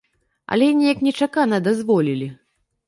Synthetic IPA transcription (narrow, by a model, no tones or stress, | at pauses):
ɐ̰lʲɛnʲɛjɐknʲɛt͡ʂakanɐd̪azvɔlʲilʲi